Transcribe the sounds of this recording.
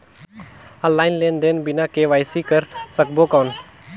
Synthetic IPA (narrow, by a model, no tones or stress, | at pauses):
əlːaːɪnleːnd̪eːnbɪnakeʋaːɪsikəɾsək̚boːkɔːn